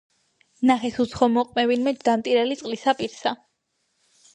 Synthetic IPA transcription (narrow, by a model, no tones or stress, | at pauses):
naχɛsut̪sʰχɔmɔqʼmɛvinmɛd͡ʒd̪amt̪ʼiɾɛlit̪sʼlisapʼiɾsa